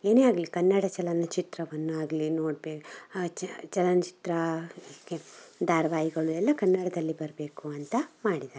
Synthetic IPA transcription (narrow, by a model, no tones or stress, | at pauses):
eːneːaːɡlikɐnːɐɽɐt͡ʃɐlɐnɐt͡ʃit̪ɾɐʋɐnːuaːɡlinoːɽbe | t͡ʃɐlɐnɐt͡ʃi̥t̪ɾɐikːed̪aːɾɐʋaːjiɡɐɭuɛlːɐkɐnːɐɽɐd̪ɐlːibɐɾɐbe̞ːkuɐnt̪ɐmaːɽid̪aːɾ